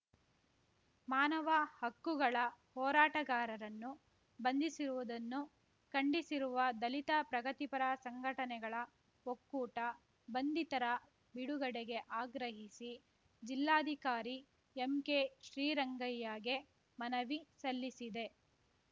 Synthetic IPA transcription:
maːnɐʋɐhɐkːuɡɐɭɐhɔːɾaːʈɐɡaːɾɐɾɐnːu | bɐnd̪isiɾuʋud̪ɐnːu | kɐɳɖisiɾuʋɐd̪ɐlit̪ɐpɾɐɡɐt̪ipɐɾɐsɐŋɡʱɐʈɐnɛɡɐɭɐ | ɦokːuːʈɐ | bɐnd̪it̪ɐɾɐ | biɽuɡɐɽeɡe̞ʔaːɡɾɐɦisi | d͡ʒilːaːɐd̪ʱikaːɾi | emkeʃɾiːɾɐŋɡɐjːaːɡe | mɐnɐʋisɐlːisid̪e̞

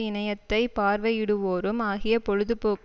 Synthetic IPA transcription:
ɪnɐjɐt̪ːɐɪpaːɾʋɐɪɪɽɯʋoːɾɯmaːɣɪjɐpɔɻɯðɯpoː

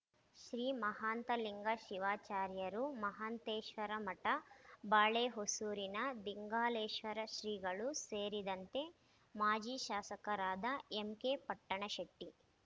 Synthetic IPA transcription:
ʃɾiːmɐɦaːnt̪ɐliŋɡɐʃiʋaːt͡ʃaːɾjɐɾumɐɦaːnt̪eːʃʋɐɾɐmɐʈɐbaːɭeːɦosuːɾinɐd̪iŋɡaːleːʃʋɐɾɐʃɾiːɡɐɭuseːɾid̪ɐnt̪e̞ | maːd͡ʒiːʃaːsɐkɐɾaːd̪ɐemkeːpɐʈːɐɳɐʃɐʈːi

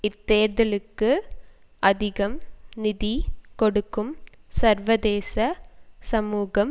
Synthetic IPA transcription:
ɪt̪ːeːɾðɐlɯkːɯ | ʔɐðɪɣɐmnɪðikɔɽɯkːɯmsɐɾʋɐðeːsɐsɐmuːɣɐm

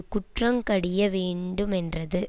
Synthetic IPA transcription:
kʊʈrɐmkɐɽɪjɐʋeːɳɖɯmɛndrɐðɯ

